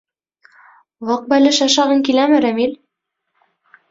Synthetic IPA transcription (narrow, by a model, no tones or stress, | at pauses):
wɑq̚bælɘʃɑʃɑʁɤŋkilæmɘ̆ɾæmil